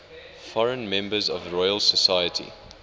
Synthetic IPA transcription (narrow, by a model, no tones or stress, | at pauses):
fɔɹə̃nmɛ̃mbəzɔvɹɔɪəlsəsajətʰḭ